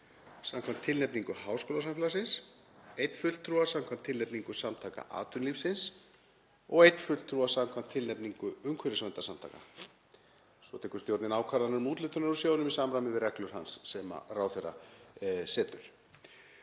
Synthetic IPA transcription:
samkʰvamt̪ʰːɪlnɛpniŋkʏhawskoːlasamfɛlasɪns | ejt̪fʏlt̪ʰɾuːasamkʰvamt̪ʰɪlnɛpniŋkʏsamt̪ʰaːka̰ʔa̰ːt̪ʏnlifsɪns | ɔɣejt̪nfʏlt̪ʰɾuːasamkʰamt̪ʰːɪlnɛpniŋkʏʏŋkʰvɛɾɪsvɛnt̪asamt̪ʰa̰ːka̰ | svɔt̪ʰɛːkʏ̥ɾst̪jowɾt̪nɪnaːwkʰaɾanaɾmuːt̪lɪːt̪ʏnaɾʏsjoːwnʏmisaːmɾamɪvɪɾɛklʏɾ̥hansːɛma̰rawθejra̰ | sɛːt̪ʏɾ̥

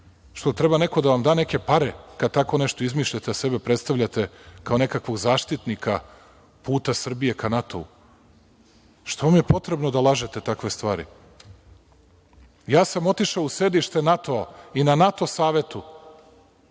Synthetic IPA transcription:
ʃt̪o̞t̪ɾebane̞ko̞d̪aʋamd̪aːneke̞paɾe̞kad̪̚t̪ako̞ne̞ʃt̪o̞izmiːʃʎat̪ease̞bepɾe̞t̪st̪aʋʎat̪e̞kao̞ne̞kakʋo̞ɡzaːʃt̪it̪nikʰa | puːt̪asr̩bije̞kʰanat̪ʰo̞̰ṵ | ʃt̪o̞ʋamje̞po̞t̪ɾe̞bnod̪alˠaʒet̪e̞t̪akʋe̞st̪ʋaːɾḭ | jaːsamo̞t̪iʃaouse̞d̪iʃt̪e̞nat̪o̞ainanat̪o̞saːʋe̞t̪u

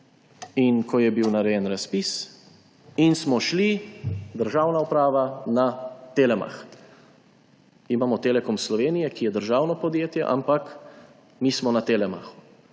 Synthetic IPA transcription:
inkɔjɛbiwnaɾɛjɛnɾaspis | insmɔʃlid̪əɾʒaːwnaupɾaːʋanat̪eːlɛma̰x | imaːmɔt̪eːlɛkɔmslɔʋeːnijɛkijɛd̪əɾʒaːwnɔpɔd̪jeːt̪jɛ̰ʔa̰mpak | miːsmɔnat̪eːlɛma̰xu̥

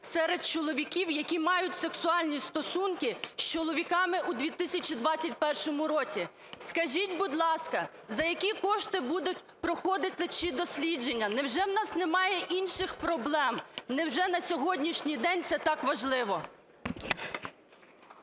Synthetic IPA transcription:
sɛɾed̪̚t͡ʃɔlˠɔʋʲikʲiwjɐkʲimɑjʊtʲseksʊɑlʲnʲist̪ɔsunkɪʃt͡ʃɔlˠɔʋʲikɑmɪʔud̪ʲʋʲit̪ɪsʲɐt͡ʃid̪ʋɑt͡sʲːɐt̚ʲpɛrʃɔmʊɾɔt͡sʲi | skɐʒʲitʲbud̪lˠɑskɐ | zɐjɐkʲikɔʃt̪ɪbud̪ʊtʲ | pɾɔxɔd̪ɪt̪ɪt͡ʃid̪ɔsʲlʲid͡ʒenʲːɐnɛwʒɛwnɑsnemɑjɛʔinʃɪxpɾɔblˠɛmnɛwʒɛnɐsʲɔɦɔdʲnʲiʃnʲijd̪ɛnʲt̪sɛt̪ɑkʋɐʒlˠɪʋɔ

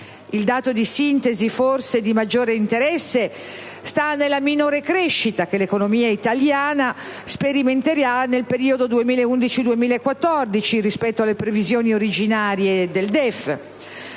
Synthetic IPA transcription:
ild̪aːt̪od̪isint̪eziforsed̪imad͡ʒːoːɾeint̪eɾɛsːe | st̪anːelːaminoːɾekɾeʃːit̪ak̟elekonomiːait̪aljaːna | speɾiment̪eɾanelpeɾiːod̪od̪uemiːlaeund̪it͡ʃid̪uemiːlaekːwat̪ːɔrd̪it͡ʃirispɛt̪ːoalːepɾevizjoːnioɾid͡ʒinaːɾjed̪eld̪ɛf

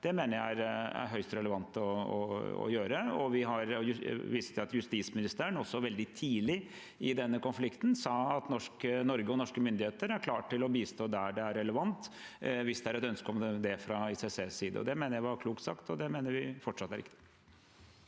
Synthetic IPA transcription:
d̪̥ɛmeːnəjææɾæ̰ɾɦœʏst̪ɾɛləʋɑnt̪ɔɔ̰ɔ̰jøːɾəɔʋɪɦɑɾjʋiːsət̪jʊɑt̪jʉst̪iːt̪smɪnɪst̪əɾənɔsːɔʋɛld̪ɪt̪ʰiːlɪ | ɪd̪ɛnːəkɔnflɪkt̪nsɑːɑt̪nɔʂkənɔɾɡəɔnɔʂkəmʏnd̪ɪheːt̪əɾæɾkʰlɑːʈʰːɪlɔbiːst̪oːd̪æɖɛæɾɛləʋɑnt̪ | ʋɪsd̪ɛæɾɛt̪œnskɔmd̪ɛfɾɑiseseːsiːd̪ə̰ɔ̰d̪ɛmeːnəjæɪʋɑɾkʰluːkt̪sɑ̰kt̪ɔd̪ɛmeːnəɾʋɪfɔʈʂɑt̪ːæɾɪkt̪ɪ̥

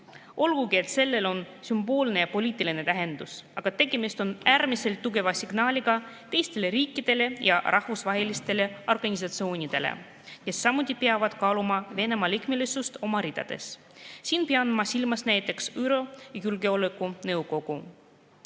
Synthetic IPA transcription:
o̞lɡ̥uɡie̞t̪se̞lːe̞lo̞n | symb̥o̞ːlne̞jɑpo̞lʲiːt̪ːˑiline̞t̪æɦe̞nd̪̥usɑ̰ɡ̥ɑt̪e̞ɡe̞mist̪o̞næːɾmise̞lt̪ːuɡe̞vɑsiɡ̥nɑːlʲiɡ̥ɑ | t̪e̞jst̪e̞leɾiːkːˑid̪̥e̞le̞jɑ̰rʔɑhvusvɑɦe̞list̪e̞le̞o̞rɡ̥ɑnʲis̬ɑt̪sio̞ːnʲid̪̥e̞̰lḛ | ke̞sːɑmut̪ʲˑːipeɑvɑd̪̥kɑːlumɑve̞ne̞mɑlikmelisust̪o̞mɑɾid̪̥ɑ̰d̪̥e̞̰s | siːnpeɑnmɑsilmɑsnæjt̪ːˑe̞ksyɾo̞jɑjulɡeo̞lekːˑunɤwko̞ɡ̥u

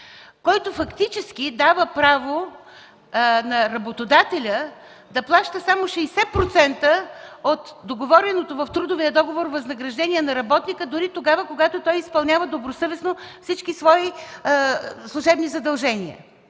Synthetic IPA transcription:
kɔjt̪ofɐkt̪it͡ʃɛskid̪avəpɾavo | nɐɾɐbot̪od̪at̪ɛlʲə | d̪ɐplˠaʃt̪əsamoʃɛisɛt̪̚pɾot̪sɛnt̪əot̪d̪oɡovɔɾɛnot̪ovɐft̪ɾud̪oviəd̪ɔɡovoɾvɐznɐɡɾɐʒd̪ɛnʲiɛnɐɾɐbɔt̪nikəd̪ʊɾit̪oɡavəkoɡat̪ot̪ɔjispɐlˠnʲavəd̪obɾosɤvɛsnofsit͡ʃkisvɔi | slˠʊʒɛbnizɐd̪ɐlˠʒɛniə̰

